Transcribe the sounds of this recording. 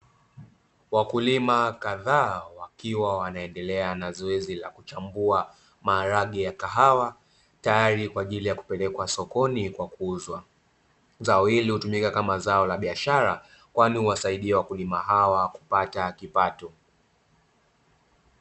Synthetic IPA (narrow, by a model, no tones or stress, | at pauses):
wakulimakaðaːwakiwawanaɛndɛlɛanazɔɛzilakut͡ʃambua | maːɾaɠijakaɦawa | tajaɾikwaːʄilijaku̥pɛlɛkwasɔkɔnikwakuuzwa | zaɔhilihutumikakamazaɔlaɓiaʃaɾa | kwanihuwasaiɗiɛwakulimaɦawaku̥patakipatɔ